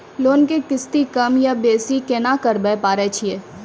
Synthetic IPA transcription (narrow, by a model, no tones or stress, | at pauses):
loːnkekɪst̪ikɐmjabeːsikeːnakəɾbɛpaːɾet͡ʃʰieː